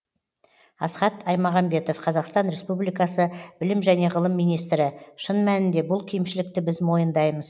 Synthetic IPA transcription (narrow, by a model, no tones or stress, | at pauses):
ɑsχɑt̪ʰɑjmɑʁɑmbe̞t̪o̞fqʰɑzɑqst̪ɑnɾe̞spublijkɑsəbɪlɪmʒæne̞ʁəlˠəmːijnijs̬t̪ɾɪʃənmænɪnd̪e̞bʊlˠkʲʰejmʃɪlɪk̚t̪ɪbɪzmo̞jənd̪ɑjməz